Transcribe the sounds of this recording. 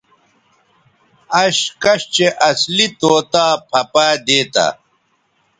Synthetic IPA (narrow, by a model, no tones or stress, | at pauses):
ɐɕkɐɕt͡ɕeʔɐslit̪oːt̪aːpʰɐpaːd̪eːt̪a̰